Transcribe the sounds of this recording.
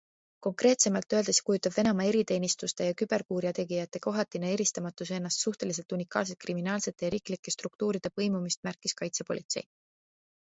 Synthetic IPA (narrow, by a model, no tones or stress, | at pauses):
ko̞ŋkre̞ːt̪se̞mɑlt̪ːˑø̞ːld̪esjɑ̥kujut̪ːˑɑb̥ve̞nɑmɑe̞ɾit̪e̞ːnist̪ust̪e̞jɑkyb̥e̞rkuːɾiɑt̪e̞ɡijɑt̪ːˑe̞ko̞ɦɑt̪ːˑinee̞ɾist̪ɑmɑt̪ːˑuse̞nːɑst̪suht̪e̞lis̬e̞lt̪unikːˑɑ̰ːls̬e̞t̪̚kriminɑːlse̞t̪ˑːe̞jɑɾiːklikːˑe̞st̪ruk̚t̪uːɾid̪̥e̞pɤ̞jmumist̪̚mærkːˑiskɑjt̪se̞po̞lit̪se̞̰j